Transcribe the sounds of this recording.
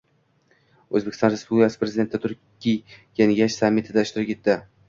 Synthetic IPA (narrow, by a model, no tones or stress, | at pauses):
ɵzbekʰʲɪst̪ɒnɾespublʲɪkʰʲasɪpɾe̞zɪd̪e̞nt̪ːɪt̪ʰʊɾʲ | ijjanɡʲaʃsamːɪt̪ʰɪd̪aɪʃt̪ɪɾɪpʲkʲe̞t̪ːɪ